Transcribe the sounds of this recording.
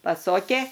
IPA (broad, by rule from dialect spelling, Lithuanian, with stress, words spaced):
pɐˈsoːkʲeː